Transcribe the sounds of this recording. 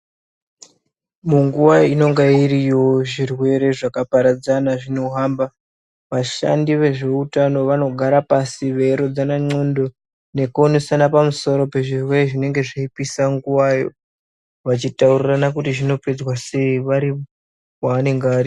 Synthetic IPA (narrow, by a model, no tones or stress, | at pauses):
muŋɡuwaino̞ŋɡaiɾijo̞ʐirwe̞ɾe̞ʐakapaɾad͡zanaʐino̞ɦamba | ʋaʃa̰ndiʋe̞ʐe̞utano̞ʋano̞ɡʱaɾapasiʋe̞ɾo̞d͡zanaŋ͡ǀo̞ndo̞ | nekuonesanapamuso̞ɾo̞pe̞ʐirwe̞reʐine̞ŋɡe̞ʐaipisaŋɡuwajo̞̰ | ʋat͡ʃitauriranakutiʐino̞pe̞d͡zwase̞iʋaɾi | kwane̞ŋɡaaɾi